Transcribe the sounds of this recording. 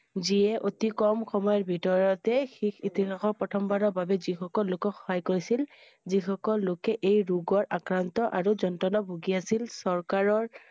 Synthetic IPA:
ziɛʔotikɔmxɔmɔjɔɹbʱitɔɹɔtɛxixit̪iɦaxɔpɔtʰɔmbanɔɹbabɛzixɔkɔlːokɔxɔ̥ɦajkoɹisil | zixɔkɔlːokɛʔejɹuɡɔɹʔakɹant̪ɔʔaɹuzɔntɔnɔbʱoɡiasilsɔɹkaɹɔɹ

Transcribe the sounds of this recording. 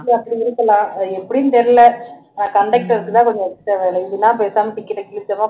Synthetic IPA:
ɐpːɐɽiɪɾɯkːɐlãːɛpːɐɽijɯnt̪ɛɾɪlɐ | kɐɳɖɛk̚ʈɐɾɯkːɯt̪aːkɔɲd͡ʒɐɾʈːɐʋeːɭɐɪðɯnãːpeːsaːmɐʈɪkːɪɾɐkɪlɯsɐmaː

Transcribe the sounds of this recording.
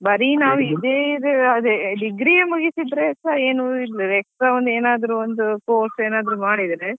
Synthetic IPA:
bɐɾinaːʋuid̪eid̪eɐd̪eɖiɡɾiemuɡisid̪ɾeɐeːnuilːiɛkɾɐond̪eːnaːd̪ɐɾuond̪ukoːsʈeːnaːd̪ɐɾumaːɽid̪ɾe

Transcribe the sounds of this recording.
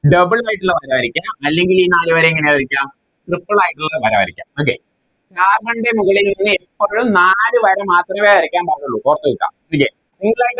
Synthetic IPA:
ɖɐbɨɭaːjʈːulːɐʋɐɾɐʋɐɾikʲːaːmɐlːe̞ŋɡiliːnaːlɨʋɐɾɐeŋːɐneʋɐɾikʲːaːm | trɨpːɐɭaːjiʈːuɭːɐʋɐɾɐ̰ʋɐɾikʲːa̰ːmok̬ːḛ | aːɡɐɳɖemuɣɐɭilninːɨepːoːɻumnaːlɨʋɐɾɐmaːt̪rɐmeːɐɾikʲːaːnpɐɾɐnuɭːukorɐt̪ːɨuɭkːa̰ːmokːe | siŋɡɨɭajiʈː

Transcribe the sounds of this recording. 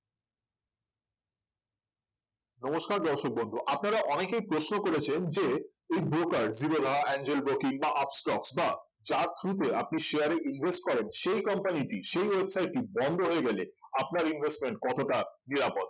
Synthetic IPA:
nɔmoʃkaɾd̪ɔɾʃok̚bond̪ʱuʔapnaɾaʔɔnekejpɾosnokoɾet͡ɕʰend͡ʑe | ejbɾokaɾziɾolʱaɛnd͡ʑelbɾokiŋbaʔapsʈɔksba | d͡ʑaɾt̪ʰɾut̪̬eap̚niʃeaɾeʔinbʱesʈ̚kɔɾenʃejkɔmpaniʈiʃejwebsajʈːibɔnd̪ʱoɦoeɡɛleapnaɾinbʱesʈmeɳʈ̚kɔt̪oʈaniɾapot̪̚

